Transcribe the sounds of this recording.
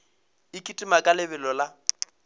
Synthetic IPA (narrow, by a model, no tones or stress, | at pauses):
ɪkʼitʼimakʼalɪbɛlɔla